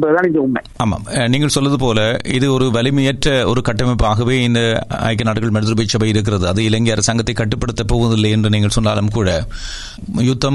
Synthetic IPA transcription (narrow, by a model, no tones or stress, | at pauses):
bɐðɯðaːnɪŋɡɐʊmːḛ | aːma̰ːmniːŋɡɐɭsɔlːɐðɯpoːlɐɪðɯɔɾɯʋɐlɪmɪjɐʈɾɐɔɾɯkɐʈːɐmɐɪpːaːɣɐʋeːɪnd̪ɐɐ̰jk̬ːɐnaːʈːɯɣɐɭmɐɽɯðɯɾɯbɐt͡ʃːɐbɐjɪɾɯk̬ːɪrɐðɯɐðɯɪlɐŋɡiɐɾɐsaːŋɡɐt̪ːɐɪkːɐʈːɯpːɐɽɯt̪ːɐpːoːʋɐðɪlːɐjɛndrɯniːŋɡɐɭsɔnːa̰ːlɐmkuːɻɐ | jʊt̪ːɐm